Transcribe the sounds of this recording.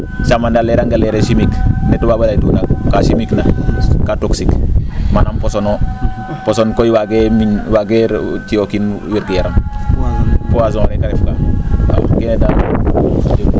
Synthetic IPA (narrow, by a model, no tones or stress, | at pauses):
samandaleɾaŋɡaleɾeʃimiknetubabalaitunakkasimiknakatoksikmanamposono | posonkojiwaɡeminwaɡeɾtiokinwiɾɡejaɾam | powazõɾekaɾifka̰a̰keneda